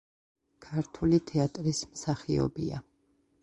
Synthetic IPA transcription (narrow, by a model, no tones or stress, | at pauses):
kʰaɾt̪ʰulit̪ʰɛat̪ʼɾismsaχiɔ̰bia̰